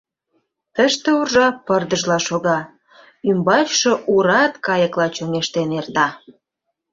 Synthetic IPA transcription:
t̪əʃt̪ĕurʒɑpərd̪əʒlɑʃoɣɑ | ymbɑʃoʔuɾɑt̪kɑjəklɑt͡ɕoŋeʃt̪enert̪ɑ

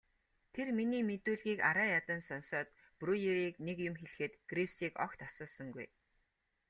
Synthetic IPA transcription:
t̪ʰerminiːmet̪uːɮɣiːka̰ɾaːjat̪ə̆nsɔnsɔːt̪ | prujeɾiːknekjʊmxeɮ̆xɘ̆t̪ɡ̥riwsiːkɔ̰kt̪asʊːsɞ̆ŋɡṵj

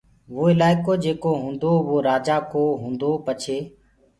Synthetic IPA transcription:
ʋoːɪlaːɪkoːd͡ʒeːkoːɦũːnd̪oːʋoːɾaːd͡ʒaːkoːɦũːnd̪oːpət͡ʃʰeː

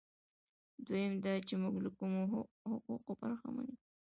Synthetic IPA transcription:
d̪ojemd̪ɑt͡ʃemuɡlakumo | hʊquqobaɾxa̰ma̰ni

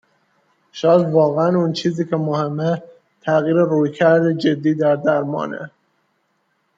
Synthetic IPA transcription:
ʃɒːd̪vɒːɣeænuːnt͡ʃʰiːziːcʰe̞mohemːe | t̪ʰæɣiːɾeɾuːjkʰæɾd̪ed͡ʒe̞d̪ːiːd̪æɾd̪æɾmɒ̰ːnḛ

